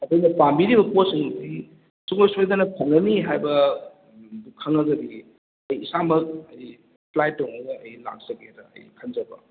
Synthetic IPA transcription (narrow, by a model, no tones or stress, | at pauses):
ɐdojnɐpambiɾibɐposiŋuti | suŋojsojd̪ɐnɐpʰoŋnɐniɦajbɐ | bukʰɐŋɐɡɐdi | ɐjːsamɐk̚ɐj | pʰlajtːɔŋoɐjla̰k̚zɐɡedɐɐ̰jkʰɐnd͡ʒɐbɐ̰